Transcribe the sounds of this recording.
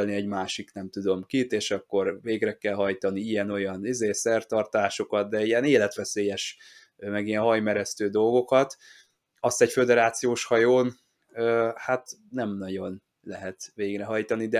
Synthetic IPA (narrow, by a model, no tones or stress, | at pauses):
lniɛɟmaːʃiknɛmt̪ud̪o̞mkit̪eːʃɒkːo̞rveːɡrɛkɛlɦɒjt̪ɒniijɛno̞jɒnizeːsɛrt̪ɒrt̪aːʃo̞kɒt̪d̪ɛijɛneːlɛt̪ʋɛseːjɛʃ | mɛɡijɛnɦɒjmɛɾɛst̪øːd̪o̞lɡo̞kɒt̪ | ɒst̪ɛɟfød̪ɛɾaːt̪sijoːʃhɒjoːn | øːhat̪nɛmnɒɟo̞n | lɛɦɛt̪ʋeːɡrɛɦɒjt̪ɒnid̪ɛ